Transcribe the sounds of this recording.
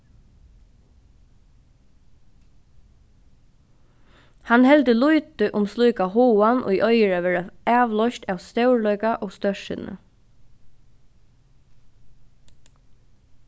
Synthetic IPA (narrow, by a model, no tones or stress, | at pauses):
hanhɛld̪əlujt̪əʔʊmsluːkahoːanʔʊ̰jʔœʏəɹaʋɛːɹaæːʋlɔʃt̪aːʋst̪ɛwɹlœʏkaʔɔːɡst̪œʂɪ̰nə̰